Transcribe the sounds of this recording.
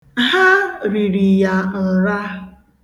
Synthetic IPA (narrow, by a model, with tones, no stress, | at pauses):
ɦa˦ɾi˨ɾi˨ja˨n̩˨ɾa˦